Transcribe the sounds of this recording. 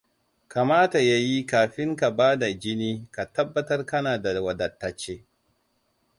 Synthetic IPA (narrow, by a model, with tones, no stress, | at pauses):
ka˨maː˦ta˨ja˦ji˦kaː˨ɸɪ˦ŋka˨baː˦da˨d͡ʒɪ˦niː˦ka˨tɐ˦bːɐ˦tɐ˦rkɐ˦naː˨da˨wɐ˨dɐ˨tːa˦t͡ʃːeː˦